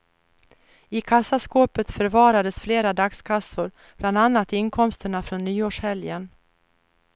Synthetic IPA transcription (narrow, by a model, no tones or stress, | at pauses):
ɪkʰasːaskoːpət̪fœɾvɑːɾad̪əsfleːɾad̪akskʰasːʊɾ | b̥land̪anːat̪ɪnkʰɔmst̪əɳafɾonːyːoːʂhɛljən